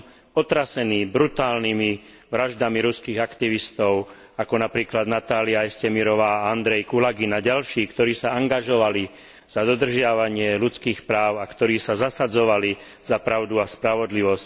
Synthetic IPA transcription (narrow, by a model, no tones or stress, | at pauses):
ɔt̪ɾasɛniːbɾut̪aːlnimi | ʋɾaʒd̪amiɾuskiːɣakt̪iʋist̪ɔʊ | akɔnapɾiːklad̪nat̪aːliaɛscɛmiɾɔʋaːand̪ɾɛjkulaɡinaɟalʃiːkt̪ɔɾiːsaaŋɡaʒɔʋali | z̥ad̪ɔd̪r̩ʒɪaʋaɲɪɛlut͡skiːxpɾaːʊakt̪ɔɾiːsazasad͡zɔʋali | z̥apɾaʊd̪uaspɾaʋɔd̪liʋɔsc